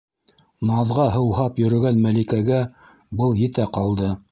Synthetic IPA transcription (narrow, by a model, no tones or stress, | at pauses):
nɑðʁɑɦɤ̆whɑpjɵ̆ɾɵ̆ɡænmælikæɡæ | bɤlˠjɘ̆t̪æqɑlˠd̪ɤ